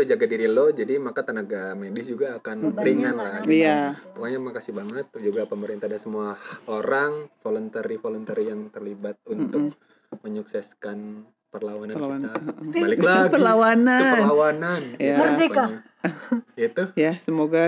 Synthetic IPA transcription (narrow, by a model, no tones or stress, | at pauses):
tod͡ʒaɡadiɾilod͡ʒadimakat̪ənaɡamedɪsd͡ʒuɡaːkanbəɾiŋanlajap̪okaɲamakasɪhbaŋət̪̚d͡ʒuɡapəməɾint̪adasəmuaoɾaŋfolɔnt̪aɾifolɔnt̪əɾijaŋt̪ərlibat̪̚unt̪ʊk̚ | məɲuksɛskan | pərlawanankiant̪abalɪkklaipərlawanapəlawananamərd͡ʒika | it̪ujasəmoɡa